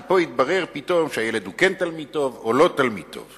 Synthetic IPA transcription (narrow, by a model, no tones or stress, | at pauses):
po̞it̪̚baʁeʁpit̪o̞mʃeajeled̪ukent̪almid̚t̪o̞volo̞t̪almid̚t̪ʰo̞̰v